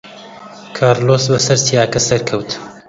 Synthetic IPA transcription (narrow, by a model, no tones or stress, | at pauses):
kʰaːɾloːsbɐsɐɾt̪ʰijaːkɐsɐɾkʰɐwt̪